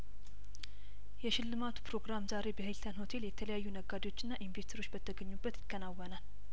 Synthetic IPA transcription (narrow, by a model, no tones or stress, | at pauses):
jɛʃɪlːɨmat̪ʰu̥pʰɾo̞ɡɾamzaɾe̞bəhɨlt̪ʰənho̞t̪ʰe̞ljɛt̪ʰələjajːunəɡad̪ewot͡ʃːɨnːaʔinvest̪ʰəɾo̞t͡ʃːbət̪ʰːəɡəɲːubːət̪jɪkʰʼːənawːənal